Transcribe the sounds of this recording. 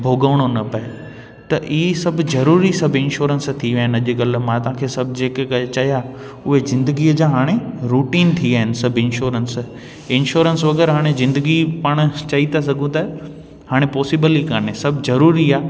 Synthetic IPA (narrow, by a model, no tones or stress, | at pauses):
bʱoːɡəʋɽ̃onɐpɐe | t̪ɐʔisɐbʱʊzɐɾuːɾisɐbʱɪ̃nʃoːɾənst̪ʰiʋɐ̃ɦɪ̃nɐʄɡɐlmãt̪ɐɦãkʰeːsɐbʱd͡ʑeːkkɐt͡ɕɐja | ʊɦezɪ̃nd̪əɡiəd͡ʑãːɦaːɽ̃eɾuːʈiːnt̪ʰiaːɦɪnɪ̆sɐbʱɪ̃nʃoːɾəns | ɪnʃoːɾənsʋɐɡəɾɦaːɽ̃ezɪ̃nd̪əɡipaːɽ̃t͡ɕɐit̪ʰas̬ɐɡʱũt̪ɐ | haːɽ̃epɔːsibəlikaːnesɐbʱzɐɾuːɾiaː